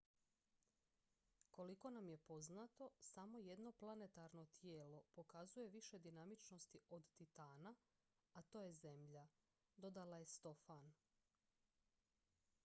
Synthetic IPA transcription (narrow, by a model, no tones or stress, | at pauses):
koliko̞namje̞po̞znat̪o̞samo̞je̞d̪no̞plˠane̞t̪aɾno̞t̪jeːlo̞po̞kazuje̞ʋiʃe̞d̪inamit͡ʃno̞st̪iod̪t̪it̪aːna | at̪o̞ːje̞ze̞mʎa | d̪o̞d̪alaje̞st̪o̞fan